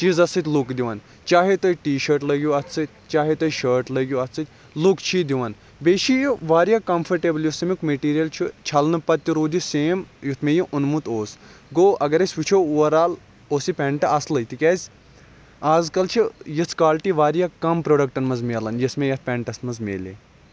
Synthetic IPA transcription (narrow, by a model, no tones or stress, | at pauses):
t͡ʃizɐsɨt̪ʲlukd̪iʋaːn | t͡ʃaːɦet̪oːjʈiːʃɐɾʈlɐɡʲjuɐt̪ʰsɨt̪̚ʲt͡ʃaːɦet̪oːjʃəːɾʈlɐɡʲjuɐt̪sɨt̪ʲ | lukt͡ʃʰid̪iʋaːn | beːʃʰijiʋaːɾijakɐmfʰɐɾʈeːbɐljusɐmikmeʈiːɾijɐlt͡ʃʰut͡ʃʰɐlnɨpɐt̪ːiɾuːd̪iseːmjut̪ʰmejiʔunmut̪oːsɡoːɐɡɐɾɐsʲʋit͡ʃʰoːuʋɐɾaːl | oːsipʲẽːɳʈɐɐslɐjt̪ikʲɛːzʲ | aːzkɐlt͡ʃʰijɐsʰkaːlʈiʋaːɾijakɐmpɾoːɖɐkʈɐnmɐzmʲeːlɐnjɐsmejɐt̪̚ʰpʲɛːɳʈɐsmɐzmḛːlḛ